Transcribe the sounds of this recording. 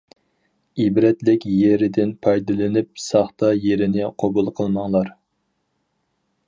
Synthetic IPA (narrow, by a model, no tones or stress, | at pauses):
ibɾɛt̪lɪkʲjeɾɪd̪ɪnpʰɑjd̪ɨlˠɨnɪp̚sɑχt̪ɑjeɾɪnɪqʰobulˠqʰəlˠmɑŋlˠɑɾ